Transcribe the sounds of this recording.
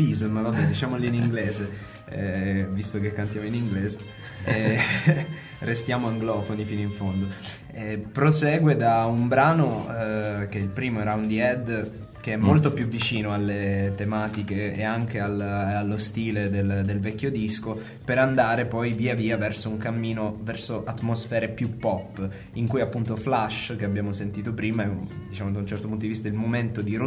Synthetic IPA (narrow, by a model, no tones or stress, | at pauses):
bizmnɔd̪it͡ʃaːmoliniŋɡleːze | ɛvist̪okekːant̪jaːmoiniŋɡleːze | ɛ | rʔest̪jaːmoaŋɡlɔːfonifinoiɱfond̪o | ɛpɾosɛːɡwed̪aumbɾaːno | keilpɾiːmoɾawnd̪iɛd̪ | keɛmːolt̪opjuvːit͡ʃiːnoalːet̪emaːt̪ikḛːaŋk̟ealalːost̪iːled̪eld̪elvɛkʲːjod̪isko | peɾand̪aːɾepɔjviːaviːavɛrsouŋkamːiːnovɛrsoʔat̪ːmosfɛːɾepjupːɔpː | iŋkujapːunt̪oflaʃk̟eabjaːmosent̪iːt̪̬opɾiːmaɛd̪it͡ʃaːmod̪aunt͡ʃɛrt̪opunt̪od̪ivist̪ailmoment̪od̪iɾo